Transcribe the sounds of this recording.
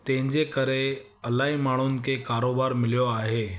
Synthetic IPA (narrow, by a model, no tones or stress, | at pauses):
t̪ẽɲd͡zekəɾeəlaimaɽ̃uːnkekaɾobaɾmiljoaɦe